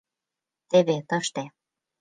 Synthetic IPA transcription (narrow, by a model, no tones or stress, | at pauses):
t̪eβet̪ɤʃt̪e